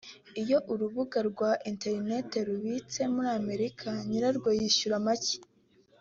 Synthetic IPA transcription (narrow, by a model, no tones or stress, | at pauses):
ijo̞ʔuɾuβuɡaɾɡwaʔinte̞ɾne̞te̞ɾuβit͡se̞muɾiame̞ɾikʰaɲiɾaɾɡwojiʃuɾamaci̥